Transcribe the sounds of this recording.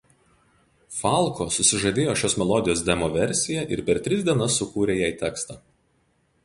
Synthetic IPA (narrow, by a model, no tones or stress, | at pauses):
fɑˑlˠkoːsʊsʲɪʒɐd̪ʲeːjoːʃʲoːsmʲɛlˠɔd̪ʲɪjoːsd̪ʲɛmoʋʲɛɾʲsʲɪjɛʔɪ̰ɾpʲɛɾt̪ʲɾʲɪzd̪ʲiɛnɐsːʊkuːɾʲeːjæɪt̪ʲɛkst̪ɑː